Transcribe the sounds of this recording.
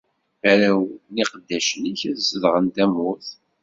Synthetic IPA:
æɾæwniqəd̪ːæʃəniçæðsəðʁənt̪æmːʊθ

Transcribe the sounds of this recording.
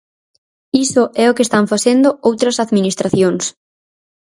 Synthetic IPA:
isʊɛʊkest̪aɱfasend̪ʊowt̪ɾɐsaðminist̪ɾaθjoŋs

